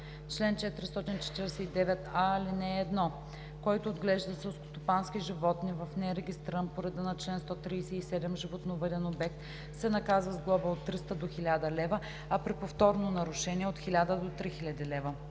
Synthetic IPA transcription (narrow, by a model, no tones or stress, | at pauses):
t͡ʃlɛnt͡ʃɛt̪ɾist̪ɔt̪int͡ʃɛ̥t̪iɾɛsɛid̪ɛvɛt̪alinɛːd̪nɔ | kɔjt̪oːd̪ɡlɛʒd̪əsɛlsko̥st̪opansk̟iʒivɔt̪nivɐfnɛɾɛɡʲist̪ɾənpoɾɛd̪ənɐt͡ʃlɛnst̪ɔt̪ɾijsɛisɛd̪ɛmʒivot̪novəd̪ɛnobɛk̚t̪ | sɛnɐkazvəzɡlˠɔvəot̪ːɾist̪əd̪oxilʲad̪əlɛvə | ɐpɾipoft̪ɔɾnonɐɾʊʃɛnʲiɛot̪xilʲad̪əd̪ot̪ɾixilʲɐd̪ilɛvə